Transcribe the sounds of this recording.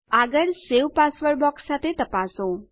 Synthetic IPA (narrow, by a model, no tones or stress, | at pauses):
aɡəɽseʋpasʋəɾbɔksːat̪ʰet̪əpaso